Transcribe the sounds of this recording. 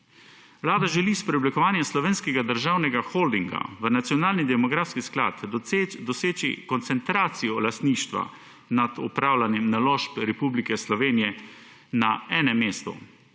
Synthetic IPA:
ʋlaːd̪aʒɛliːspɾɛɔblikɔʋaːnjɛmslɔʋeːnskɛɡad̪əɾʒaːwnɛɡaxold̪iŋɡa̰ʋənat̪sjɔnaːlnid̪ɛmɔɡɾaːfskiskla̰ːt̪d̪ɔseːt͡ʃḭkɔnt̪sɛnt̪ɾaːt̪sijɔlast̪niːʃt̪ʋa̰ | nat̪ɔpɾaːwlanjɛmnalɔːʃpɾɛpublikɛslɔʋeːnijɛ | naɛːnɛmːeːst̪ɔ̰

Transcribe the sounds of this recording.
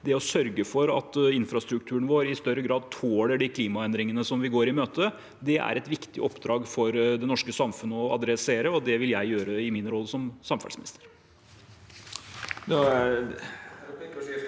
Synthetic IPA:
d̪ɛɔsœɾɡəfɔɾɑ̰t̪ɪnfɾɑst̪ɾʉkt̪ʰʉːənʋoːɾɪst̪œɾːəɡɾɑːd̪̚t̪ʰoːləɖikʰliːmɑɛnd̪ɾɪŋənəsɔmʋɪɡoːɾɪmøːt̪ə | d̪ɛʔæ̰ɾɛt̪ʋɪkt̪ɪ̰ʔɔpd̪ɾɑːɡfɔɾd̪ɛnɔʂkəsɑmfʉnːəɔɑ̰nd̪ɾeːseːɾəɔd̪ɛʋɪljæɪjøːɾəɪmɪnɾɔlːəsɔmsɑmfæ̰lsmɪnɪ̰st̪ə̥ɾ | d̪

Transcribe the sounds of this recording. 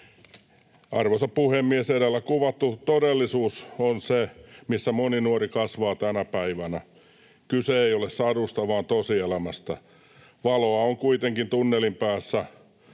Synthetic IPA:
ɑrʋosɑppuhemːiesedelːækuʋɑt̪ːut̪odelːisuːsonsemisːæmoninuorikɑsʋɑːt̪ænæpæiʋænæ | kyseeiolessɑdust̪ɑʋɑːnt̪osielæmæst̪æ | ʋɑloɑoŋkuit̪eŋkint̪unːelimpæːsːæ

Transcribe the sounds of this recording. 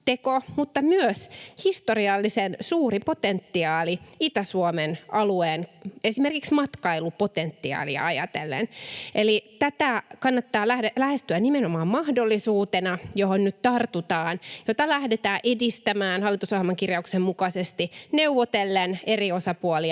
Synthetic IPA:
t̪ekomut̪ːɑmyøshist̪oriɑlːisensuːripot̪ent̪ːiɑːliit̪æsuomenʔɑlueːnesimerkiksmɑt̪kɑilupot̪ent̪ːiɑ̰ːliɑ̰ɑjɑ̰t̪ḛlːḛnʔelit̪æt̪ækɑnːɑt̪ːɑːlælæhest̪yænnimenomɑːmmɑhdolːisuːt̪enɑjohonnyt̪t̪ɑrt̪ut̪ɑːnjot̪ɑlæhdet̪æːʔedist̪æmæːnhɑlːit̪usɑhmɑŋkirjɑuksemmukɑsest̪ineuʋot̪elːeneriosɑpuoli

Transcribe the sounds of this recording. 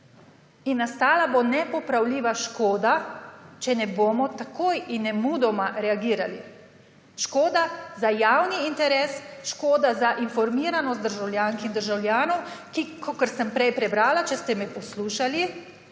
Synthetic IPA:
inːast̪aːlabonɛpɔpɾawliːʋaʃkoːd̪at͡ʃɛnɛboːmɔt̪akoːjinɛmud̪ɔmaɾɛaɡiːɾalḭ | ʃkoːd̪azajaːwniːnt̪ɛɾɛsʃkoːd̪azaʔinfɔɾmiːɾanɔst̪̚d̪əɾʒawlʲjaːŋkind̪əɾʒawlʲjaːnɔwkikʰɔkəɾsəmpɾɛjpɾɛbɾaːlat͡ʃɛst̪ɛmɛpɔsluːʃali

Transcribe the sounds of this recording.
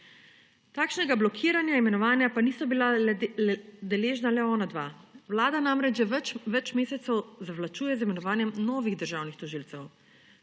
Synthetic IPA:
t̪aːkʃnɛɡablɔkʰiːɾanjaimɛnɔʋaːnjapaniːsɔbilaɛd̪ɛleːʒnalɛɔːnad̪ʋaːwlaːd̪anamɾɛd͡ʒʒɛʋɛt͡ʃʋɛt͡ʃmeːsɛt̪sɛwzaʋlat͡ʃuːjɛzimɛnɔʋaːnjɛmnɔːʋiɣd̪əɾʒaːwnixt̪ɔʒiːlt̪sɛw

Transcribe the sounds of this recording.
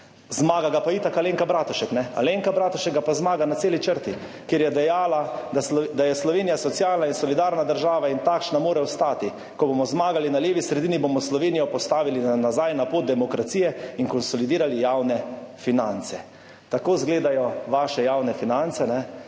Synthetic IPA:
zmaːɡaɡapait̪akaleːŋkabɾaːt̪ɔʃɛknɛa̰leŋkabɾaːt̪ɔʃɛk̚ɡapazmaːɡanat̪seːlit͡ʃəɾt̪i | kjeːɾjɛd̪ɛjaːlad̪ad̪ajɛslɔʋeːnijasɔt̪sjaːlnainsɔlid̪aːɾnad̪əɾʒaːʋaint̪aːkʃnamoːɾɛwst̪aːt̪i | kɔbomɔzmaːɡalinaleːʋisɾɛd̪iːnibomɔslɔʋeːnijɔpɔst̪aːʋilinazajnapoːd̪̚d̪ɛmɔkɾat̪sijɛiŋkɔnsɔlid̪iːɾalijawnɛfinant̪sɛ | t̪akoːzɡleːd̪ajɔʋaːʃɛjawnɛfinant̪sɛnɛ

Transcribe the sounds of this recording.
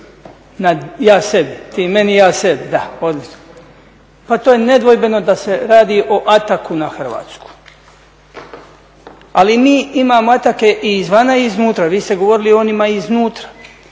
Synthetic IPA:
nad̪jaːsebit̪iːme̞nijaːse̞bid̪ao̞d̪lit͡ʃno | pat̪oːje̞ne̞d̪ʋo̞jbe̞no̞d̪ase̞ɾaːd̪iʔo̞ʔat̪akunaxr̩ʋa̰ːt̪sku̥ | alimiːimaːmoat̪ake̞ʔiːzʋanaiiznuːt̪ɾaʋiːst̪e̞ɡo̞ʋo̞ɾilio̞nimaiznuːt̪ɾḁ

